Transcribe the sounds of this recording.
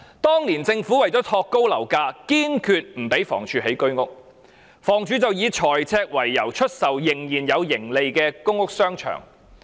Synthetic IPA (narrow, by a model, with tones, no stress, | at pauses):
t̪ɔː˥ŋliː˨˩nt͡sɪ˧ŋfuː˨˥wɐ˨jt͡sɔː˨˥t̪ʰɔː˧kːo˥wlɐ˨˩wkaː˧kiː˥nkʰyː˧t̚m̩˨˩pe˨˥jfɔ̰ː˨˩ŋt͡ʃʰyː˨˧ɦe˨˥jkɵ˥ɥŋʊ˥k̚ | fɔː˨˩ŋt͡ʃyː˨˥t͡sɐ˨wjiː˨˧t͡ʃʰɔː˨˩jt͡sʰɛː˧k̚wɐ˨˩jːɐ̰˨˩wt͡ʃʰɵ˥t̚sɐ˨wjɪ˨˩ŋjiː˨˩njɐ˨˧wjɪ˨˩ŋle˨jkɛː˧kʊ˥ŋːʊ˥k̚sœː˥ŋt͡ʃʰœ̰ː˨˩ŋ